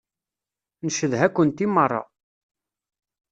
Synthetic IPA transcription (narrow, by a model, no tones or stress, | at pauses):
nəʃəðɦækʷːənt̪imːərˤːɑ̰